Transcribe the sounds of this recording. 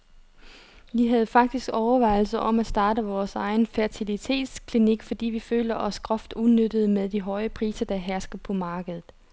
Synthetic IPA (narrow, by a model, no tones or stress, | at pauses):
ʋiɦæð̞̩ˠfɑ̈ɡ̥̚d̥isɡ̥ɒʊɐʋɑ̈ɪl̩sɐʔɒ̽mæsd̥ɑ̈ːɾəʋɒːsɑ̈ɪn̩fæɐt͡sʰilit͡sʰe̝̰ːd̥skʰliniɡ̥fɒ̽d̥ḭːʋiføːləʔɒ̽sɡ̥ʁɒfd̥uðˠnød̥əðˠmeðˠd̥iɦɒ̽ɪəpʰʁiːsɐd̥æɦæɐsɡ̥ɐpʰɒ̽mɑ̈ːɡ̥əð̞ˠð̩ˠ